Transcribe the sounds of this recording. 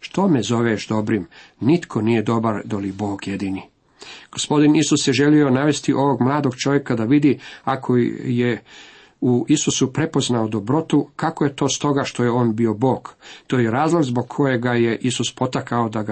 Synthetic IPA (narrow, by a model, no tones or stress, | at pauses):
ʃt̪o̞mezo̞ʋeʃd̪o̞bɾim | nit̪kʰo̞nije̞d̪o̞baɾd̪olibo̞ːɡje̞d̪iːni | ɡ̥ospo̞d̪inisusjeʒe̞lio̞naʋe̞st̪iʔo̞ʋo̞ɡmlˠaːd̪o̞ɡt͡ʃo̞ʋje̞kad̪aʋid̪iakʰo̞je | uisusupɾe̞po̞znaod̪o̞bɾo̞t̪ukakoje̞t̪o̞ːst̪o̞ɡaʃt̪o̞jeo̞ːnbio̞bo̞ːɡ̥t̪oːjeɾaːzlˠoɡzbo̞ɡkʰo̞je̞ɡaje̞ʔisuspo̞t̪akaod̪aɡa